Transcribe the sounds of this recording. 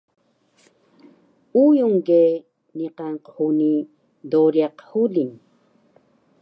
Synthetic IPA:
ujuŋɡe | niqaŋqhuni | d̪oɾjaqhulin

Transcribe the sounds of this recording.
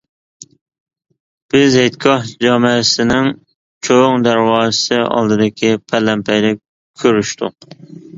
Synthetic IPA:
b̥ɪzhet̪kʲʰɑhd͡ʒɑːmɨsɪnɪŋ | t͡ʃʰoŋd̪æɾwɑːəsɨɑ̰lˠd̪ɨd̪ɪkʲʰipʰælːɛmpʰɛjlɪkʲ | kʲʰøɾyʃt̪ʰʊ̰q

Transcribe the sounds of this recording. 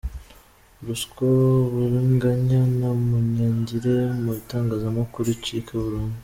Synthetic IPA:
ɾuskoβuɾiŋɡaɲanamuɲaɲɟiɾemuitaːŋɡazamakuɾicikʰeβuɾaoːne

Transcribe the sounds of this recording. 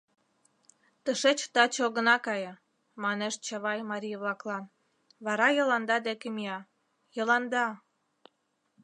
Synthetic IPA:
t̪əʃet͡ɕt̪ɑt͡ɕoɣə̆nɑkɑjə̆ | mɑneʃt͡ɕɑβɑjmɑɾʲijəβlɑklɑn | βɑɾɑjɤ̆lɑnd̪ɑd̪ekemiɑ | jəlɑnd̪ɑ

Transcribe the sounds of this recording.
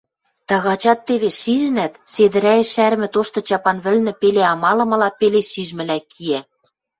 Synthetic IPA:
t̪ɑɣɑt͡ɕɑt̪ːeβeʃiʒɘ̆næt̪sed̪ɘ̆ɾæĕʃæɾ̆mɘ̆t̪oʃt̪ɤ̆t͡ɕɑpɑnβɘ̆lnɘ̆peleɑmɑlɤ̆mɤ̆lɑpeleʃiʒmɘ̆lækʰiæ

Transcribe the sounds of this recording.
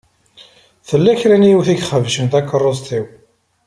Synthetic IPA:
θəlːæçɾænijiwθiɡχəvʃənt̪ækːərˤːozt̪iw

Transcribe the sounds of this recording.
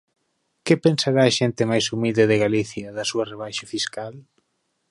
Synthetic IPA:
kepensaɾaːʃent̪ɪmajsumild̪eðɪɣaliθjɐðɐsuɐreβ̞ajʃafiskal

